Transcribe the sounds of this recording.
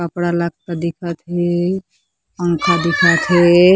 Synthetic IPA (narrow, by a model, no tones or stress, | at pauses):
əpɽalak̚kəd̪ikʰət̪ɦe | əŋkʰad̪ikʰət̪ɦe